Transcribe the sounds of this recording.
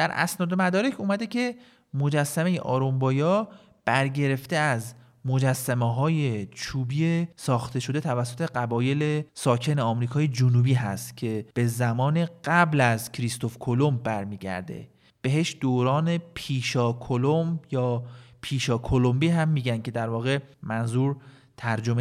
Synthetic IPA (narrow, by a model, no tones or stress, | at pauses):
d̪̥æɾæ̰snɒːd̪e̞mæd̪ɒːɾecʰuːmæd̪e̞cʰe̞ | mo̞d͡ʒæsːæme̞jḛʔɒːɾombɒːjɒː | b̥æɾɟe̞ɾe̞ft̪e̞æz | mod͡ʒæsːæmeɦɒːje̞t͡ʃʰuːbiːesɒːxt̪ʰe̞ʃo̞d̪e̞t̪ʰævæsːot̪ʰe̞ɢæbɒːje̞lesɒːcʰe̞neɒmɾiːkʰɒːje̞d͡ʒonuːbiːɦæ̰st̪cʲʰe̞b̥e̞zæmɒːne̞ɢæblæzcʰɾist̪o̞fkʰo̞lo̞mbæɾmiːɟæ̰ɾd̪e̞̰ | b̥e̞ɦeʃd̪̥oːɾɒːne̞pʰiːʃɒːkʰolomjɒːpʰiːʃɒːkʰo̞lombiːɦæmːiːɟænd̪̚cʰe̞d̪æɾvɒːɣe̞mænzuːɾ | t̪ʰæɾd͡ʒo̞me